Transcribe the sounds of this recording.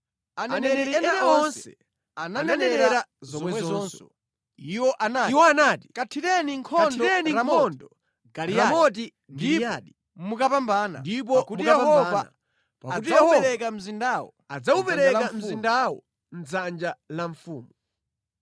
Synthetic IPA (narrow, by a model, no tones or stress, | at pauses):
anɛnɛɛɾinɛnɛɔnsɛɛ | ananɛnɛnɛɾazzɔmwɛwɛzzɔnsɔ̰ | iwɔʔanaiwɔanaːtikatʰitɛniŋkʰɔndidɛnilamɔndɔ | ɡaɾiamɔt̬i | ndiaɗi | mukapambaːna̰ndip̬ɔkutijɛhɔvaa̰ | paautiɛɛɾɛk̬am̩zindaːwɔ̰ | ad͡zaupɛɾɛkam̩indawɔ̰ | n̩d͡zand͡ʒalaɱfuːmu